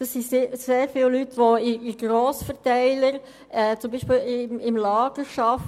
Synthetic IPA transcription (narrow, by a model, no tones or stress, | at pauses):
d̥ɑsːiseseːɾfɪːllytʋoɪiɡ̥ɾoːsfəʁtæɪləɾ | ɛːt͡sʊmbiːʃpɪːlɪmɪmlɑːɡ̥əʃɑf